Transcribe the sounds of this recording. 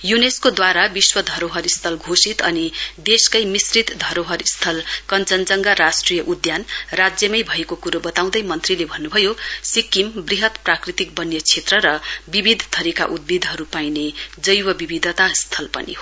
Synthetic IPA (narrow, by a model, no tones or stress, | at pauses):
juneskod̪waɾabiswʌd̪ʱʌɾoɦʌɾist̪ʰʌlɡʱosit̪ʌnid̪eskʌjmisrit̪d̪ʱʌɾoɦʌɾst̪ʰʌlkʌnt͡sʌnt͡sʌŋɡaɾasʈrijʌʔud̪janrad͡zjʌmʌjbʱʌekokuɾobʌt̪aw̃d̪ʌjmʌnt̪rilebʱʌnːubʱʌjosikimbriɦʌt̪prakrit̪ik̚bʌnjʌt͡sʰet̪rʌɾʌbibʱid̪ʱt̪ʰʌɾika̰ʔud̪̚bid̪ʱɦʌɾupained͡zʌjwʌbibid̪ʱʌt̪ast̪ʰʌlpʌ̰nḭɦo